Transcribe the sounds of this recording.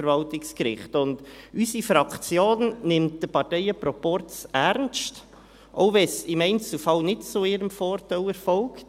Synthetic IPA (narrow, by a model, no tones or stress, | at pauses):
ɾvɑltɪkskɾɪ̰χtʊndysifɾɑkt͡sjoːnnɪmt̚d̥əpɑɾtɛɪəpɾɔpɔɾt͡sæɾnst | ʔoʊvɛsɪmɛɪnt͡sl̩fɑlnɪtt͡sʊɪɾəmfɔːɾtalɛɾfɔlkt